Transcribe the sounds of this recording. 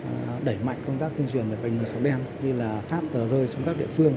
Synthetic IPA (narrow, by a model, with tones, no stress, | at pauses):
ɗə˧˩jma̰˧˨jŋ̟kə˧wŋ͡mt̪aː˦˥k̚t̪i˧ənt͡ɕwḭ˨˩ənvəː˨˩ɓa̰˨˩jŋ̟mɨ˨˩jsa˨˦wɗɛ˧mɲɨ˧laː˨˩faː˦˥p̚t̪əː˨˩zəː˧jt͡ɕɔ˧wŋ͡mkaː˦˥k̚ɗḭ˧˨əfɨ˧əŋ